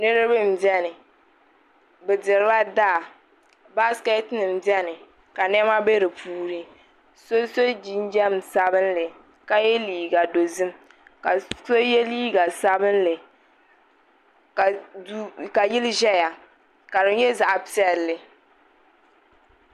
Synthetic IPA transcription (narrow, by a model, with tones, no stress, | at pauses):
nɨ˦ɾɨ˦bɨ˦m̩˨bɛ˦nɨ˨ | bɨ˨dɪ˨ɾɨ˦ba˦daː˦˨ | ba˦skɛ˦tnɨ˨m˨bɛ˦nɨ˨ | ka˨nɛ˦ma˦be˦ɾɨ˨pʰuː˦ɾɨ˦ | so˦so˦d͡ʒi˦n˦d͡ʒɛ˦m˨sa˦bɨ˦nlɨ˨ | ka˦jɛ˦liː˨ɡa˨do˨zɨ˦m | ka˨so˦jɛ˦liː˦ɡa˨sa˦bɨ˦nlɨ˨ | ka˨ | ka˨jɪ˦lʒɛ˦ja˨ | ka˨ɾɨ˦jɛ˦za˨ʔa˨pi˦ɛ˦lːɨ˨